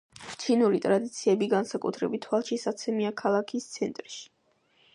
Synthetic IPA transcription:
t͡ʃʰinuɾit̪ʼɾad̪it̪sʰiɛbiɡansakʼut̪ʰɾɛbit̪ʰwalˠʃisat̪sʰɛmiakʰalˠakʰist̪sʰɛnt̪ʼɾʃi̥

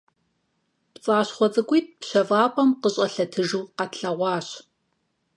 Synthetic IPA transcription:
pt͡sʼaːɕχʷɔt͡sʼɨkʷiːt̚pɕɐvaːpʷʼɔmqəɕʼɐɬɐtʰɨʒuːqɐtɬɐʁʷɑːɕ

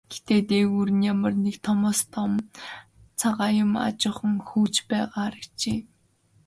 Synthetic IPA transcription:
ɡ̥et̪eːt̪eːɣuːɾɘ̆njamə̆rnekt̪ʰɔmɔːst̪ʰɔm | t͡sʰaʁaːjʊma̰t͡ɕʊ̆ːχə̆ŋxuːt͡ɕpæːʁaːɾə̆kt͡ɕeː

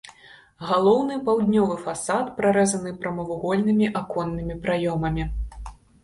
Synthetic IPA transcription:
ɣalˠɔwnɨpawd̪ʲnʲɔvɨfasat̪pɾaɾɛzɐnɨpɾɐmɐvuɣɔlʲnɨmʲiʔakɔnːɨmʲipɾajɔmɐmʲi

